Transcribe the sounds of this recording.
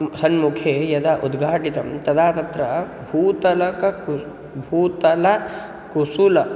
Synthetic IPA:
sɐnmukʰejɐd̪aʔud̪ɡʱaːʈit̪ɐ̰mt̪ɐd̪aːt̪ɐt̪ɾɐ | bʱuːt̪ɐlɐkɐku | bʱuːt̪ɐlɐ | kusulɐ

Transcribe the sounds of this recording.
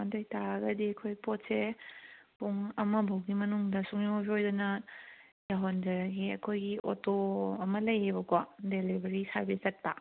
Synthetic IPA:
andojtaɡɐdiɐkʰojpot̚se | puŋɐmɐbʱɐwɡimɐnuŋdɐsuŋjobʰiojdɐnɐ | jaɦondɐɾɐɡiɐkʰojɡiʔo̰toɐmɐlɐjebɐkʰɔdelibʱɐɾisɐɾbiszɐt̚pɐ

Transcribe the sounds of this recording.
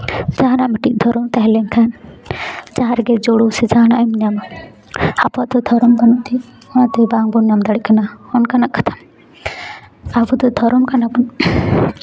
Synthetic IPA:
d͡ʒaɦanamiʈiʔ̚d̪ʱɔɾɔmt̪aɦɛlɛŋkʰan | d͡ʒaɦãɾɛɡɛd͡ʒɔɽusɛd͡ʒaɦnaʔumnama | apaʔd̪ɔd̪ʱɔɾɔmbanɔʔt̪i | ɔnat̪ɛbaŋbɔnjamd̪aɽikanahɔnkanaʔkḁt̪ʰam | abud̪ɔd̪ʱɔɾɔmkanabɔn

